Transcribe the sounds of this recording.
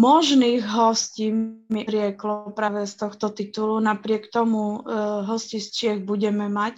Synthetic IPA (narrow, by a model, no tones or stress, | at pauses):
mɔʒniːɣɦɔsciːmiɾɪɛklɔpɾaːʋɛst̪ɔxt̪ɔt̪it̪ulunapɾɪɛkt̪ɔmuɦɔscist͡ʃɪɛɣbuɟɛmɛmac